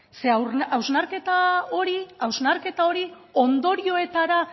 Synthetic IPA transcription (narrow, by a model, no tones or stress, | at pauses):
se̞awawznaɾke̞t̪ao̞ɾiawznaɾke̞t̪ao̞ɾi | o̞nd̪o̞ɾio̞e̞t̪aɾa